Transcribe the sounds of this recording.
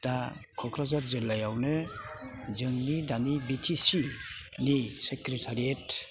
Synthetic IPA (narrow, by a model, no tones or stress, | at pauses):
takʰɔkɾazaɾzilːajawnɯ | zɯŋnidanibitʰisi | nisekɾetʰaɾiet